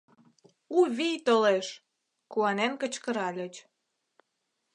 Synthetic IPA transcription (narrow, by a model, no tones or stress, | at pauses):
uβijt̪oleʃ | kuɑnenkə̆t͡ɕkə̆ɾɑlʲət͡ɕ